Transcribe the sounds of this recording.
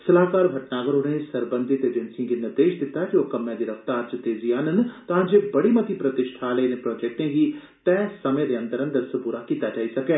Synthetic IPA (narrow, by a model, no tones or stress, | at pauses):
sɐlaːkaːɾbʱɐʈnaːɡəɾonẽsɐɾbə̃nd̪ʱɪt̪eːd͡ʒənsiãɡinɪɾd̪eːʃd̪ɪt̪aɛkioːkɐmːɛ̃d̪iɾəft̪aːɾt͡ʃɐt̪eːziaːnənt̪ãːd͡ʒeːbɐɽimɐt̪ipɾɐt̪ɪʃʈʰaːleinepɾɔːd͡ʒɛːk̚ʈẽːɡiː | t̪ɛːsɐmeɾejə̃nt̪əɾənd̪ɐɾsəpuːɾakiːt̪ad͡ʒaːisɐkɛː